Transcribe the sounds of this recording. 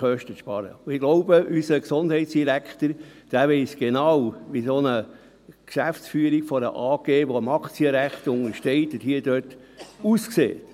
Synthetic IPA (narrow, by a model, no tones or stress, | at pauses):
χœʃtəʃpɑɾə̰ʊɪɡ̥loʊbəʔysəksʊnd̥ɦɛɪt̪sd̥iɾækχtəɾd̥æːʋɛɪsɡ̥enɑwʋisonə | kʃæft͡sfyːəɾikfɔɾə̰ʔɑːɡ̥eːʋoəmɑkʰt͡siəɾæχt̪ʊŋəɾʃtɛɪt̪əthiədøt | uːsksḛːt